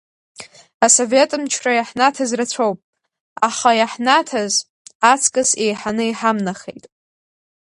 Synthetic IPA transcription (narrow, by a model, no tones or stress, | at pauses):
aso̞ve̞tʼɨmt͡ʃʰrajaħnatʰazrat͡ɕʷʰowpʼ | aχajaħnatʰaz | at͡sʰkʼɨse̞jħanɨiħamnaχejtʼ